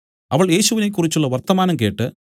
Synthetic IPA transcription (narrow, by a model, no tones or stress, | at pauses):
ɐʋɐɭje̞ːɕuʋinek̬ːurit͡ɕːuɭːɐʋɐrt̪ɐmaːnɐmke̞ːʈːɨ